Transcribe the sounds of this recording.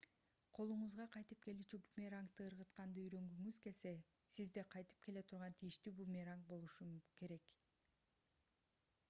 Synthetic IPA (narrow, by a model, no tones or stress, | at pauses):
qʰo̞lˠuɴʊzʁɑqʰɑjt̪ɯp̚ke̞lyːt͡ʃybumʲeɾaŋk̚t̪ɯɯɾʁɯt̪qɑnd̪ɯyɾø̞ŋɡyŋyzke̞se̞ | sizd̪eqʰɑjt̪ɯ̥p̚ke̞le̞t̪ʰuɾʁɑnt̪ʰijiʃt̪yːbumʲeɾaŋk̚bo̞lˠuʃuke̞ɾe̞k